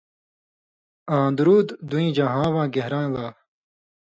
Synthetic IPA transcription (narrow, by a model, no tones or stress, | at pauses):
ãːd̪uɾuːd̪d̪uĩːd͡ʑaːɦãːwãːɡeɦɾãːlaː